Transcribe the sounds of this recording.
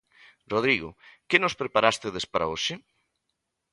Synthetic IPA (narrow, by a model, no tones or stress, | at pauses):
roð̞ɾiɣʊ̰kɪnospɾepaɾast̪eðespaɾa̰oʃɪ